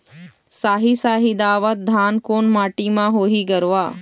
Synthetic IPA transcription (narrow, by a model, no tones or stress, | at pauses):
saːɦisaːɦid̪aːʋət̪̚d̪ʱaːnkoːnmaːʈimãɦoːɦiɡɐɾʋaː